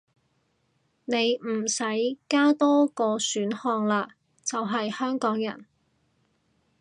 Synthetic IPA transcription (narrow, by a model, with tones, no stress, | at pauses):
ne˨˧jm̩˨˩sɐ˨˥jkaː˥t̪ɔː˥kɔː˧syː˨˥nhɔː˧ŋlaː˧ | t͡sɐ˨wɦɐ˨jhœː˥ŋkɔː˨˥ŋjɐ̰˨˩n